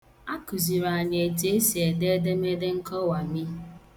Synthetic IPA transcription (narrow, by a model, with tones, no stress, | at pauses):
a˦kʊ˨zi˨ɾa˨ɲe˨e˨te˨˦e˦si˨e˨de˦de˦me˦de˦ŋ̩˦kɔ˦wa˨ɲɪ˦